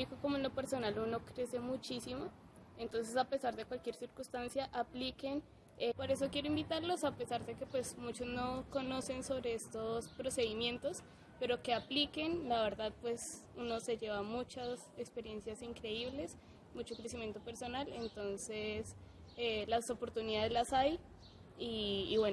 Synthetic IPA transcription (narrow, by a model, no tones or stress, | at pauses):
ikoko̞moenlope̞ɾso̞naluno̞kɾe̞se̞mut͡ʃisimo̞ | ent̪o̞ns̬e̞sapesaɾðe̞kwalkje̞ɾsiɾkunst̪ansjaʔaplike̞n | epoɾe̞s̬o̞kje̞ɾoimbit̪aɾlo̞sape̞saɾðe̞ke̞pwe̞smut͡ʃo̞zno̞ko̞no̞se̞nso̞βɾe̞est̪ospɾo̞seðimjẽ̞nt̪o̞s | pe̞ɾo̞ke̞aplike̞nlaβe̞ɾðaðpwe̞s | uno̞se̞ʝe̞βamut͡ʃasekspe̞ɾje̞nsjasiŋkɾe̞iβle̞s | mut͡ʃo̞kɾe̞simje̞nt̪ope̞ɾso̞nale̞nt̪o̞nse̞s | elaso̞po̞ɾt̪uniðaðezlasaj | iːβweno